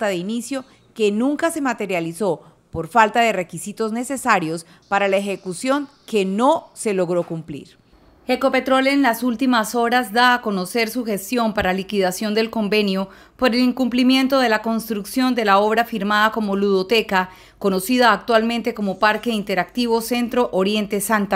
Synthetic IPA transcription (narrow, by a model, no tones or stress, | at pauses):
t̪aðeinisjo̞ | ke̞nũŋkase̞mat̪e̞ɾjaliso̞ | po̞ɾfalt̪aðe̞re̞kisit̪o̞zne̞se̞saɾjo̞s | paɾalaexe̞kusjo̞ŋ | ke̞no̞se̞lo̞ɣɾo̞kumplḭɾ | eko̞pe̞t̪ɾo̞leːnlasult̪imaso̞ɾazd̪aːko̞no̞se̞ɾsuxe̞st̪jo̞mpaɾalikiðasjo̞nd̪e̞lko̞mbe̞njo̞ | po̞ɾe̞liŋkumplimje̞nt̪o̞ðe̞lako̞nst̪ɾuksjo̞nd̪e̞lao̞β̞ɾafiɾmaðako̞mo̞luðo̞t̪e̞ka | ko̞no̞siðaːk̚t̪walmẽ̞nt̪e̞ko̞mo̞paɾke̞int̪e̞ɾak̚t̪iβo̞se̞nt̪ɾo̞ʔoɾje̞nt̪e̞sant̪a